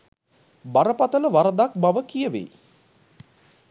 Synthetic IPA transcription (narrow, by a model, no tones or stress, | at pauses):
baɾəpat̪ələʋaɾəd̪ak̚baʋəkijəʋḛ